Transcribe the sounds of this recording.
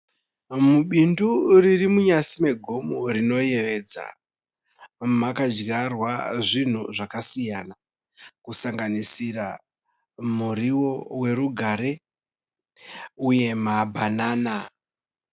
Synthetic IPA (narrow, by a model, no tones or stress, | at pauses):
muɓinduririmuɲasime̞ɡʱo̞morino̞je̞ʋe̞d͡za̰ | makad͡ʒɡarwaʐin̤uʐakasijana | kusaŋɡanisira | muɾiwo̞we̞ɾuɡʱaɾe̞ | uje̞mabʱanaːna